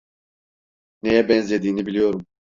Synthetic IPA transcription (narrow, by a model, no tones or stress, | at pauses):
nejɛbɛnzlʲe̞d̪iːnibilʲijo̞ɾum